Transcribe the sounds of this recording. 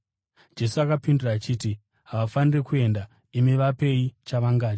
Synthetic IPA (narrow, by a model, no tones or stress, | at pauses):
d͡ʒe̞suakapinduraːt͡ʃiːti | ɦaʋafanire̞kue̞nda | imiʋape̞it͡ʃaʋaŋɡaːd͡ʒ